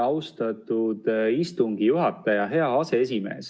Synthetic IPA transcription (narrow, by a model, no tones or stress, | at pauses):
ɑwst̪ɑt̪ˑud̪̥ist̪uŋɡijuɦɑt̪ːˑɑjɑɦe̞ɑɑse̞es̬ʲime̞̰ːs